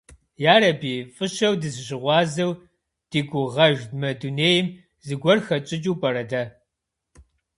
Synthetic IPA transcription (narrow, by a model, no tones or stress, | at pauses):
jaːɾɐbiːfʼɨɕɐwdɨzɨɕɪʁʷɑːzɐw | d̥iːɡʷʊʁɐʒdmɐduneːjɪm | zɨɡʷɔrxɐt͡ʃʼɪt͡ʃʼuːpʼɐɾɐdɐ